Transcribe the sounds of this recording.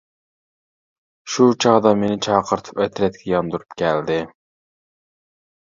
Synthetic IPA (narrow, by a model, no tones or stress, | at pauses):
ʃut͡ʃʰɑʁd̪ɑmenɪt͡ʃʰɑːqʰəɾt̪ʰɨ̥pɛt̪ʰɾɛt̪̚kʲʰɛjɑnd̪uɾupkʲʰɛld̪ɪ